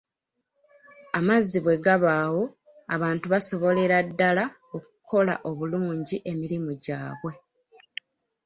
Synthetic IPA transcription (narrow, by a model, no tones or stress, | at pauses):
amazːiβwe̞ɡaβaːwo̞ | aβaːntuβaso̞βo̞le̞ɾadːala | okukʰo̞la̰ʔo̞βuluːɲɟiʔe̞miɾimuɟaːβwe̞